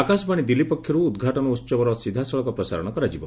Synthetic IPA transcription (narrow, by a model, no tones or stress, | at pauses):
akasbaɽ̃id̪ilipɔkʰːjɔɾuːd̪ɡʱaʈɔnɔut̪ːsɔbɔɾɔsid̪ʱasɔɭɔkɔpɾɔsa̰ɾɔɽ̃ɔkɔɾad͡ʒibɔ